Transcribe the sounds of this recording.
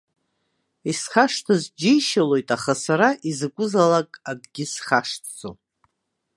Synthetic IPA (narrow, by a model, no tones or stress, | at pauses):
isχaʂtʰɨzd͡ʒejʃalo̞jtʼaχasaɾaʔizɨkʷʼʊzalakʼaɡɡʲɪsχaʂtʰt͡sʼo̰